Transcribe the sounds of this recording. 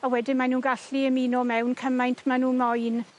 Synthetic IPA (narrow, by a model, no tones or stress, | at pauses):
awɛdɪmanuːnɡaɬiəmiːnɔmɛwnkʰəmajntʰmanuːnmɔjn